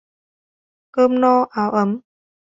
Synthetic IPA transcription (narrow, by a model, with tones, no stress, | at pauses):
kəː˧mnɔː˧ʔaː˨˦wʔə˨˦m